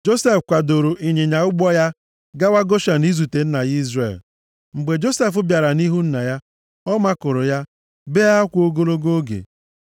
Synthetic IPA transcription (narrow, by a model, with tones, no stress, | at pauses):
d͡ʒo˦se˦fkʷa˨do˨ɾo˨ʔi˨ɲe˨ɲa˨ʊ˦ɡ͡bɔ˦ja˦ | ɡa˦wa˦ɡo˦ʃa˨ni˦zu˨te˨n̩˦na˨i˦zrḛ˨l | ŋ͡m̩˨ɡ͡be˨d͡ʒo˦se˦f̬ʊ˦bja˨ɾa˨ni˦ɦu˦n̩˦na˨ja˦ | ɔ˦ma˦kʊ˨ɾʊ˨ja˦ | be˦a˦kʷo˦ɡo˦lo˦ɡo˦ɡḛ˨